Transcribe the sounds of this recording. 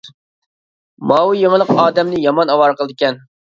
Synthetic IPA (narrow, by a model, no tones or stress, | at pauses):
mɑwujeŋəlˠəqɑːd̪ɛmnɪjɑmɑnɑwɑɾqəlˠd̪ɨɪkʲɛn